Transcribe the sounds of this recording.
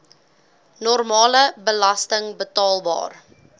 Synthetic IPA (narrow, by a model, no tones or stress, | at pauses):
nɔrmɑːləbəlɐstəŋbətɑːlˠbɑ̰ːr